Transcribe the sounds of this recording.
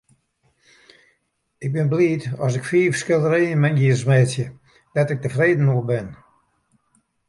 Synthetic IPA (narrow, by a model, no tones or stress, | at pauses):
ɪk̚bɪnbliːtɔs̬ɪkfiːfskɪlˠəreːənmɛnɡiːrsmɛːsjə | d̥atɪk̚təfreːdn̩oːbɪn